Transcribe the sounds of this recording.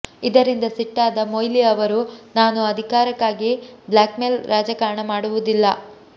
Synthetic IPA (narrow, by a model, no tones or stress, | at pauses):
id̪ɐɾind̪ɐsiʈːaːd̪ɐmoːjliɐʋɐɾunaːnuɐd̪ʱikaːɾɐkːaːɡiblaːkmelɾʔaːd͡ʒɐkaːɾɳɐmaːɽuʋud̪ilːɐ